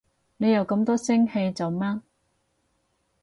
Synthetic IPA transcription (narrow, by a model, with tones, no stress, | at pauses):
ne˨˧jɐ˨˧wkɐ˧mt̪ɔː˥sɪ˥ŋhe˧jt͡sɐ˨wmaː˥n